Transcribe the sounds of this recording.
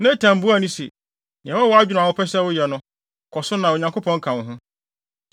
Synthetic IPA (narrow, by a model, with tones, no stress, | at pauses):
nã˦tʰã˨m̩˨bu˦a˦˨nĩ˦sḭ˨ | ɲɛ̃˨wɔ˦wɔ˨˦a˦d͡ʑᶣnʊ̃˨a˨wʊ˦pʰɛ˦sɛ˦wʊ˦jɛ˨nʊ̃˦ | kʰɔ˨sʊ˦nã˨o˨ɲã˨ŋko˦pʰɔ̃˦ŋ˦kʰã˨ñ˨ɦʊ̃˦